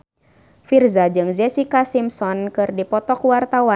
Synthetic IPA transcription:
firzad͡ʒɨŋzɛsikasimsɔnkɨrdipɔt̪ɔkwart̪awa

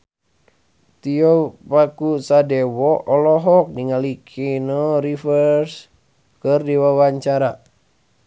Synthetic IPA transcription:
t̪iɔpakusadɛwɔʔɔlɔɦɔk̚niŋalikʰenɔɾifərs | kərdiwawaɲt͡ʃaɾa

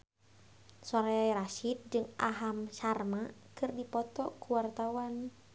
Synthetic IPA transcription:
sɔɾɛɾaʃit̪̚d͡ʒɨŋaɦamʃarmakɨrdipɔt̪ɔkuwart̪awan

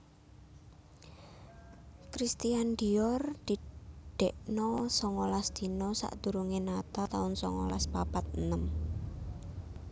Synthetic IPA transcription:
kɾist̪iand̪iɔrd̪̥i̤ɖ̥ɛʔnɔsɔŋɔlasd̪̥i̤nɔsa̰ʔd̪̥ṳɾuŋenat̪at̪aʊnsɔ̰ŋɔ̰laspapat̪̚ənəm

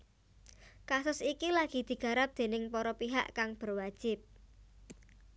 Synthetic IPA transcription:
kasʊsikilaɡ̥i̤d̪̥i̤ɡ̥a̤ɾap̚d̪̥e̤nɪŋpɔɾɔpiɦa̰ʔkaŋb̥ərwad̥ʒ̥ɪp̚

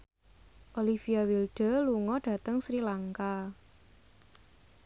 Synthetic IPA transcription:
ʔolifiawilɖ̥ə̤luŋɔɖ̥a̤t̪əŋsɾilaŋka

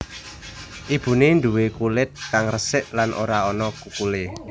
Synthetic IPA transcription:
ʔib̥ṳnendṳwekulɪt̪̚kaŋrəsɪʔlanʔo̰ɾaɔnɔkukulɪ

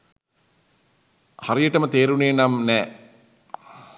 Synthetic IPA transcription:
haɾijəʈəmət̪eːɾuneːnamnɛː

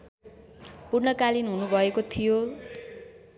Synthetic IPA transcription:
purnʌkalinɦunubʱʌekot̪ʰijo

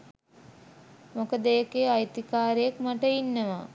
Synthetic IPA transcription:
mokəd̪əjəkeajt̪ikaːɾejəkmaʈəinːəʋa

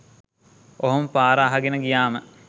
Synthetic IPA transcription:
oɦompaːɾəːɦaɡenəɡijaːmə

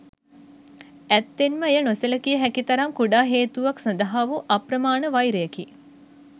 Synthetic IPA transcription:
æt̪ːenməejənosələkijəɦækit̪ɐɾamkuɖaːɦeːt̪uʋaksɐnd̪ɐɦaʋuʔɐprɐmaːnəʋajɾejəki

